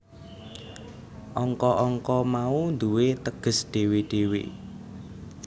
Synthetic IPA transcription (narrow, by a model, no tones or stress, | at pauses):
ʔɔŋkɔʔɔŋkɔmaund̪uwet̪əɡ̥ə̤sɖ̪̥e̤weɖ̥ewḛ